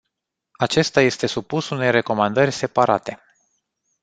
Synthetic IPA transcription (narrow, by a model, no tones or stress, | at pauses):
at͡ʃe̞st̪aje̞st̪e̞supusune̞jre̞ko̞mand̪ərʲse̞paɾat̪e̞